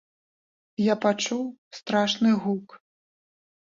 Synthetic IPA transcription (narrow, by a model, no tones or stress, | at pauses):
japat͡ʂuwst̪ɾaʂnɨɣuk